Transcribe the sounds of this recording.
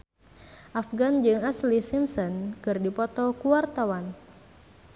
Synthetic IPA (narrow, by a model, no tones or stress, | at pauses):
ʔafɡand͡ʒɨŋaslisimsɔnkɨrdipɔt̪ɔkuwart̪awan